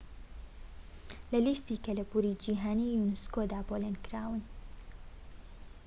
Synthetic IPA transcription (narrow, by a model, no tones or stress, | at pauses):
lɐlist̪iːkɐlɐbuːɾid͡ʒiːɦaːniːjunɨskod̪aːbolenkɨɾaːwɨn